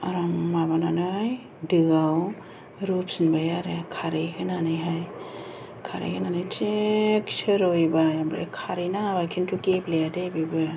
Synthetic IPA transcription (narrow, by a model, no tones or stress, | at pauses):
aɾamːabananɯj | dɯɡaw | ɾup̚sinbajaɾekʰaɾekʰɯnanɯjɦaj | kʰaɾḛkʰɯnanɯjt͡ʃekseɾojbajambɾḛkʰaɾinabajkʰintʰukeplejadajbibɯ